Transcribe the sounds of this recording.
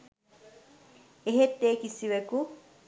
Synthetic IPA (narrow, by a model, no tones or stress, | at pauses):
eɦet̪ːeːkisiʋeku